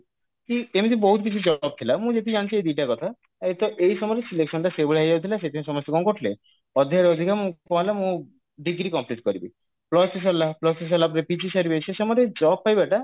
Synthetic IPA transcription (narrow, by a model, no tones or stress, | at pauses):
t̪iemĩt̪iibɔɦut̪k̬it͡ʃʰid͡ʒɔb̚t̪ʰilamũd͡ʒet̪ʰid͡ʒant͡ʃʰiejd̪iʈakɔt̪ʰa | et̪ɔʔejsɔmɔɾesileksɔnʈaseboɭeɦad͡ʒawt̪ʰilaset̪ʰimĩsɔmɔst̪eɡɔŋkoʈʰle | ɔd̪ʱːaɾɔd̪ʱikʰamũkɔalamũ | ɖiɡɾikɔmpliʈkɔɾibi | plɔsis̬ɔlaplɔses̬ɔlap̬ɔɾepid͡ʒisaɾibesesɔmɔɾed͡ʒɔb̚pajbɛʈa